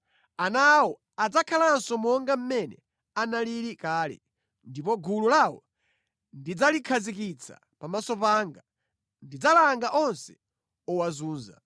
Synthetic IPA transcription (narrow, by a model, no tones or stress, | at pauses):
anawɔ | ad͡zakʰalansɔmɔŋɡam̩mɛnɛ̰ | analiɾikaːlɛ̰ | ndipɔɡululawɔ̰ | ndid͡zalikʰazik̬it͡sʰa̰ | pamasɔpaːŋɡa | ndid͡zalaŋɡaʔɔnsɛ̥ | ɔwazuːnza̰